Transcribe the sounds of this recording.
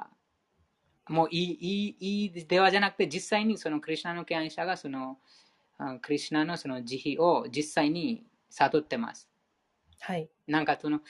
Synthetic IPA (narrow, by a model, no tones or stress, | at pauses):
moʔiiid̪eʋad͡ʒanak̚t̪ed͡ʒisːajnisɔnokɾiʃnanokeãiʃaɡasuno | kɾiʃnanosɔnod͡ʒihiʔod͡ʒisːajni | sat̪ot̪ːema̰s | haj | nãŋkat̪ʰuno